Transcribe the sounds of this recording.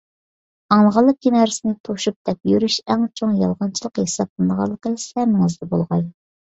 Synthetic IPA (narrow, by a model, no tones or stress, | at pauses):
ɑŋlˠəʁɑlˠːəq̚ɡʲenɑɾsɪnɪt̪ʰoʃup̚d̪̥ɛp̚jyɾyʃæŋt͡ʃʰoŋjɑlˠʁɑnt͡ʃʰilˠəqhesɑp̚lɨnd̪əʁɑ̰lˠːəqəsɛɾnːɪŋɨzd̪ɛbo̰lˠʁɑj